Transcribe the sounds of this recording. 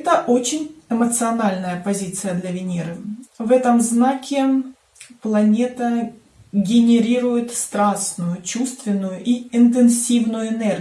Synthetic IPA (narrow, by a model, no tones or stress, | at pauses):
ɛt̪əʔot͡ɕɪnʲɪmət̪sɨɐnalʲnəjəpɐzʲit̪sɨjəd̪lʲɐvʲɪnʲiɾɨvɛt̪əmznakʲɪ | plˠɐnʲe̞t̪ə | ɡʲɪnʲɪɾʲiɾʊjɪt̪st̪ɾasnʊjʊt͡ɕust̪vʲɪnːʊjʊʔiɪnt̪̬ɨnsʲivnʊjʊɪnɛrɡʲ